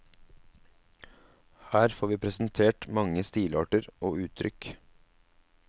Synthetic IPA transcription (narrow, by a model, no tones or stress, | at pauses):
hæːɾfoːɾʋiːpʰɾɛsnt̪ʰeːʈmɑŋəst̪iːlɑːʈəɾʔoːʉːt̪ʰɾʏk